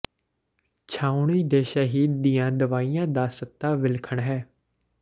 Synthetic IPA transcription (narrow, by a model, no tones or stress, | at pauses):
t͡ʃʰaːʊɳiːd̪eːʃaːɦiːd̪ijãːd̪əʋaːijãːd̪aːsət̪ːaːʋɪlkʰəɳɦɛː